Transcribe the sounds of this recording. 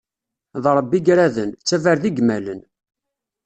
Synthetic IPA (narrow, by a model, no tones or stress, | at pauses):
ðɾˤəbːiɡɾæðənt͡sːævæɾðiɡmælən